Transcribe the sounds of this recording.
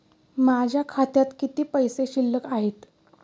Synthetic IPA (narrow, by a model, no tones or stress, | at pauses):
mad͡ʑʱjakʰat̪jat̪kit̪iːpəjseɕilːəkaɦet̪